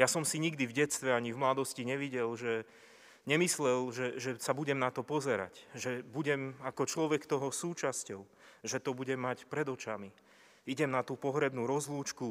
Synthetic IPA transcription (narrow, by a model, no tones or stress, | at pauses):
jasɔmsiɲiɡd̪ivɟɛtst̪ʋɛaɲivmlad̪ɔsciɲɛʋiɟɛlʒɛ | ɲɛmislɛlʒɛʒɛsabuɟɛmnat̪ɔpɔzɛɾa̰cʒɛbuɟɛmakɔt͡ʃlɔʋɛkt̪ɔɦɔsuːt͡ʃascɔʊʒɛt̪ɔbuɟɛmːacpɾɛd̪ɔt͡ʃami | iɟɛmnat̪uːpɔɦɾɛbnuːɾɔzluːt͡ʃku